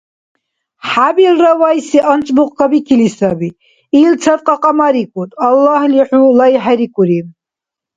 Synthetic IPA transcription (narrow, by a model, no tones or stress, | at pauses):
ħabilrawajsiʔant͡ʃʼmuqʼkʰabikʰilisabi | ilt͡sʰat̪ʼqʼɑqʼɑmaɾikʼut̪ʼalːahliħulajħaɾikʼuɾim